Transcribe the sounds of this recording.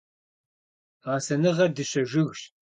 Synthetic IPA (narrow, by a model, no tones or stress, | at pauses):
aːsɐnɨʁɐrdɨɕɐʒɪɣʃ